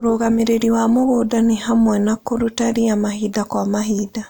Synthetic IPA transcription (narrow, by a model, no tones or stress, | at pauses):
ɾoɣameɾeɾiwamoβodanehamwɛnakoɾutaɾiamahidakwaːmaɦida